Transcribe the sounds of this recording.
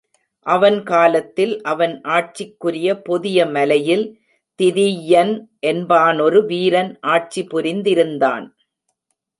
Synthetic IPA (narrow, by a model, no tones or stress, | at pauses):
ʔɐʋɐnkaːlɐt̪ːɪlʔɐʋɐnʔaːʈ̚t͡ʃɪkːɯɾɪjɐpɔðɪjɐmɐlɐjɪl | t̪ɪðijɐnʔɛnbaːnɔɾɯʋiːɾɐnʔaːʈ̚t͡ʃipʊɾɪnd̪ɪɾɯnd̪a̰ːn